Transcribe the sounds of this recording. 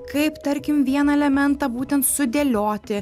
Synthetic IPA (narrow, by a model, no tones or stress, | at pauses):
kɐɪpt̪ɐɾʲkʲɪmʋʲiɛnɐɛlʲɛmʲɛnt̪ɐbuːt̪ʲɛnt̪sʊd̪ʲeːlʲoːt̪ʲɪ